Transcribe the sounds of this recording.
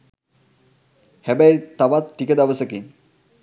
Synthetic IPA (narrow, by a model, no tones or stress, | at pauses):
hæbæjt̪aʋat̪ʈikəd̪aʋəsəkin